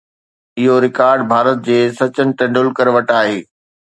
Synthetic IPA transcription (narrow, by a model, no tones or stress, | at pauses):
ɪɦoɾɪkaːɾɖbʱaːɾət̪̚d͡ʑeːsɐt͡ɕənɪ̆ʈɐ̃ɳɖʊlkəɾʋɐʈaːɦeː